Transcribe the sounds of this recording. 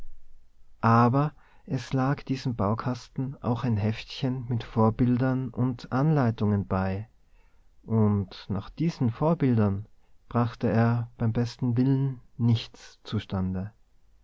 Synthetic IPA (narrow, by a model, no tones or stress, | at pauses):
ʔaːbɐʔɛslaːkd̥iːzəmbaʊkʰastn̩ʔa̰ʊxaɪnɦɛftçənmɪtfoːɐbɪldɐnʔʊntʔanlaɪtʊŋənb̥aɪ | ʔʊntnaːχd̥iːzn̩foːɐbɪldɐn | b̥ʁaχtəeːɐb̥aɪmbɛstn̩vɪlənːɪçt͡st͡suʃtandə